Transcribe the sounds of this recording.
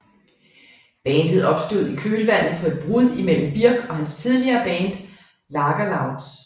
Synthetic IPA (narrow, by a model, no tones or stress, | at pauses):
b̥ɛːnd̥əð̞̩ˠɒ̽b̥sd̥o̝ð̰ˠikʰøːlʋæn̰ð̩ˠpʰɒ̽e̝d̥̚b̥ʁuð̰ˠimel̰m̩b̥iɐ̰ɡ̥ɒ̽hænst͡sʰiðˠliɐːb̥ɛːnd̥ | lɑ̈ɡ̥ɐlɑ̈ʊd̥s